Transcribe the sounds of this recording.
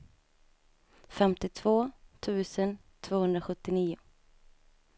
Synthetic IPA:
fɛmt̪ɪt̪ʰv̥oːt̪ʰʉ̟ːsən | t̪ʰv̥oːhɵnd̪ɾaɧɵt̪ːɪniːʊ

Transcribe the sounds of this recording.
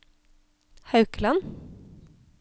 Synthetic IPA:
hɑʉkəlɑn

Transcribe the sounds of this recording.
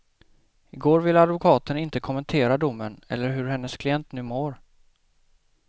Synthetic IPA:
ɪɡoːɾvɪlːad̪vʊkʰɑːt̪ənɪnt̪əkʰɔmənt̪ʰeːɾad̪ʊmːənɛ̰lːəɾɦɵɾɦɛnːəskʰlɪjɛnt̪nʉ̟ːmoːɾ

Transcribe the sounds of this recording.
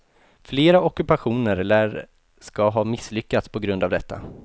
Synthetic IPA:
fleːɾaɔkɵpaɧuːnəɾɛlːəɾ | skaɦɑːmɪsːlʏkːat̪spʰɔɡɾɵnd̪avd̪ɛt̪ʰːa̰

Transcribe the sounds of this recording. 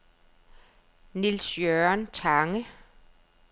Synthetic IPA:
nilsjøɐnt͡sʰɑŋə

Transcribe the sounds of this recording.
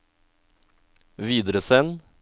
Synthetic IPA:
ʋiːd̪əɾəsɛn

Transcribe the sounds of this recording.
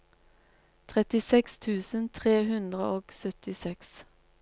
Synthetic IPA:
t̪ʰʁɛt̪ɪsɛkst̪ʰʉːsən̩t̪ʰʁeːhʉnd̪ʁəʔoːɡ̥sœt̪ɪsɛks

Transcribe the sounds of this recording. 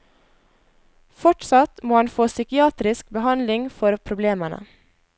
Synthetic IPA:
fɔʈsɑt̪moːhɑnfoːsʏkɪɑːt̪ɾɪskbəhɑnlɪŋfɔɾpʰɾʊbleːməɳə̰

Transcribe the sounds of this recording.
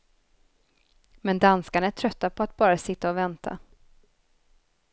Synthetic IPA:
mɛnd̪anskaɳaæʈʰɾœt̪ːapʰɔat̪̚bɑːɾasɪt̪ːaɔvɛnt̪ʰa̰

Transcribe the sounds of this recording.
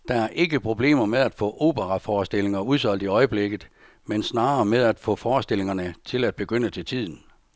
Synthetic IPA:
d̥ɑ̈æɐʔe̝ɡ̥əpʰʁo̝b̥le̝̰ːmɐmeð̞ˠæd̥fɔ̰̽ːʔo̝ːb̥əʁɑfɒːsd̥e̝le̝ŋɐuð̞ˠsɒ̽l̰d̥iɒ̽ɪəb̥leɡ̥ð̩ˠ | mensnɑ̈ːɐmeð̞ˠæd̥fɔ̰̽fɒːsd̥e̝l̰e̝ŋɐnət͡sʰe̝læd̥̚b̥e̝ɡ̥øn̰ət͡sʰe̝lt͡sʰið̞̰ˠn̩

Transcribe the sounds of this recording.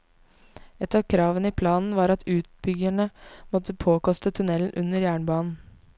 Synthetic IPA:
ɛt̪ɑːʋkʰɾɑːʋənəiːpʰlɑːnn̩ʋɑːɾɑt̪ʰʉːt̪̚bʏɡæɳəmɔt̪əpʰoːkɔst̪ət̪ʰʉnɛln̩ʔʉnːəɾjæːɳbɑːnn̩

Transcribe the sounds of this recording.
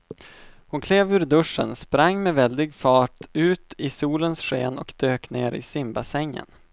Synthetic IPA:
hʊnkʰleːvʉ̟ːɾd̪ɵʂːə̰nspɾaŋːmɛvɛld̪ɪɡfɑːʈʉ̟ːt̪ɪsuːlənsɧeːnɔkd̪øːkneːɾɪ̰sɪmbasɛŋːə̰n

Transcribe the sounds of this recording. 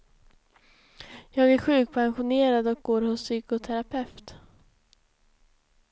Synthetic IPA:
jɑːɡæɾɧʉ̟ːk̚pʰanɧʊneːɾad̪ɔk̚ɡoːɾhʊsːyːkʊt̪ʰɛɾapʰɛft̪

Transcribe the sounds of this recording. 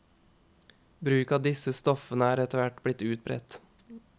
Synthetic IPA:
bɾʉːkɑːd̪ɪsəst̪ɔfənəæːɾɛt̪əʋæʈblɪt̪ʉːt̪̚bɾɛ̰t̪

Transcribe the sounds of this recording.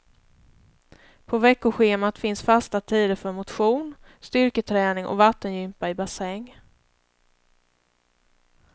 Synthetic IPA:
pʰɔvɛkːʊɧeːmat̪fɪnsfast̪at̪ʰiːd̪əɾfœɾmʊt̪ɧuːn | st̪ʏɾkət̪ʰɾɛːnɪŋʔɔ̰vat̪ːənjʏmpaɪbasɛŋː

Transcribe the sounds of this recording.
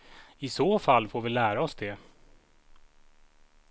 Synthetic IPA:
ɪsoːfalːfoːɾvɪlæːɾaɔsd̪ɛ

